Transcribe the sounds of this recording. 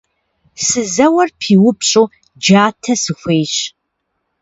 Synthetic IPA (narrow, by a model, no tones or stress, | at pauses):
sɨzɐwɐrpʰiːwʊpɕʼoː | d͡ʒaːtʰɐsɨxʷeːɕ